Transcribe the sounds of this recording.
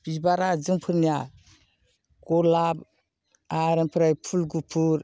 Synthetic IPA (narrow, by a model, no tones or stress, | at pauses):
bibaɾad͡ʒɯŋpʰɯɾnija | kɔlab | aɾampʰɾajpʰulɡupʰuɾ